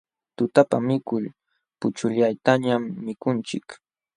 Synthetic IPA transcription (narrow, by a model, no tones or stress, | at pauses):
t̪ʊt̪apa̰mɪkʊʎ | pʊt͡ʃʊʎajt̪aɲamːɪkʊnt͡ʃɪk